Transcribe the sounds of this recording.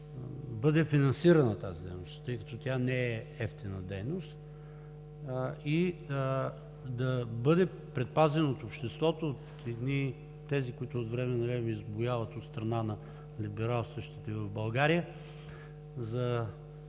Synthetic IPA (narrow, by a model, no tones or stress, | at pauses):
bɤd̪ɛfinɐnsiɾɐnɐt̪azid̪ɛ̰jnost̪t̪ɤjkɐt̪ɔt̪ʲjanɛɛ | ɛft̪inəd̪ɛjnost̪ | i | d̪ɐbɤd̪ɛ | pɾɛt̪̚pazɛnoot̪opʃt̪ɛst̪vɔt̪oot̪ | ɛd̪ni | t̪ɛzikʊit̪ʊot̪vɾɛmɛnɐɾɛmizbʊjavət̪ot̪st̪ɾɐnanɐ | libɛɾalˠst̪vəʃt̪it̪ɛvɐvbɐlˠɡaɾijə | zɐ